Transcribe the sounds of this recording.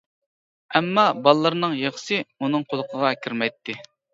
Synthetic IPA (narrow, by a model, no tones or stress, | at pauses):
ɛmːɑbɑlˠːəɾnɨŋjeχsɨunɨŋqʰolˠəqʰəʁɑkʲʰiɾmɛjt̪ʰːɪ